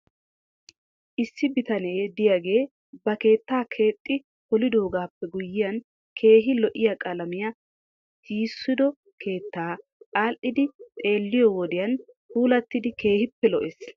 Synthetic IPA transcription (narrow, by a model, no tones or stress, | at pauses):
ʔɪsːɪbɪt̪ɐne̞jd̪ɪjaɡe̞ː | bɐke̞ːt̪ːaːkʰe̞ːt̪ʼːɪ | hɔlɪd̪o̞ːɡaːpːɛɡʊjːɪjɐn | kʰe̞ːɦɪlɔʔɪjɐkʼɐlɐmɪjɐ | tiːsːʊd̪ɔ | kʰe̞ːt̪ːaːaːlʔɪd̪ɪt̪ʼe̞ːlːɪjɔwɔd̪ɪjɐn | huːlɐt̪ːɪd̪ɪke̞ːhɪpːɛlɔʔes